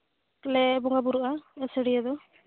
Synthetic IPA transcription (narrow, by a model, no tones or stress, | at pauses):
lɛbɔŋɡabuɾuʔaɛsəɽijad̪ɔ